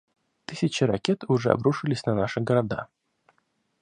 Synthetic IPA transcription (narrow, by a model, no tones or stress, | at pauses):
t̪ɨsʲɪt͡ɕɪɾɐkʲet̪ʊʐɛɐ̰bɾuʂɨlʲɪsʲnɐnaʂɨɡəɾad̪a̰